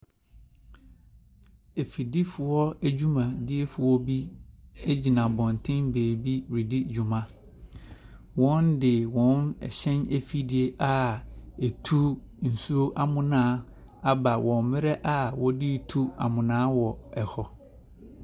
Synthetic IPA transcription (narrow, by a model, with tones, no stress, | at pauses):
e˨fi˨di˦fʊ˨ɔ˦æ˦d͡ʑu˦mã˨dɪ˦e˦fʊ˨wɔ˦bi˦ɛ˦d͡ʑi˨nã˨bɔ̃˨n˨tʰɪ̃˦nbeː˨bi˦wɾi˨di˦d͡ʑᶣu˨mã˦ | wɔ̃˦ndɪ˨wɔ̃˨˦nɛ̰˨ɕɛ̃˦ne˦fi˦di˨e˦ʔa˨e˨tʰu˦ | n̩˨su˦ɾo˦ʔa˦mʊ̃˨nãː˦ | a˦ba˨wɔ̃˨mmɪ̃˦ɾɛ˦ʔa˨wɔ˦di˦˨tʰu˦a̰˨mʊ̃˨nãː˦wɔ˨ɛ˨hɔ˨